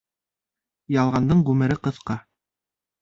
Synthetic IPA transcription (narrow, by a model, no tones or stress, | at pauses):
jɑlˠʁɑnd̪ɤɴʁʉmɘ̆ɾɘqɤ̆θqɑ